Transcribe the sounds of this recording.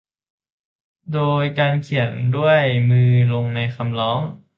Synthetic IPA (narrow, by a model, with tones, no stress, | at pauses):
doː˧jkaː˧nkʰi˨˩˦əndu˥˩əjmɯː˧lo˧ŋna˧jkʰa˧mlɔː˦˥ŋ